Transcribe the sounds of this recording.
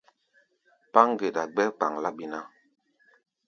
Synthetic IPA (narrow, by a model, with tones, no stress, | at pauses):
pa˦ŋ˦ɡe˨da˨ɡ͡bɛ˦k͡pa˨ŋla˦ɓi˦na˦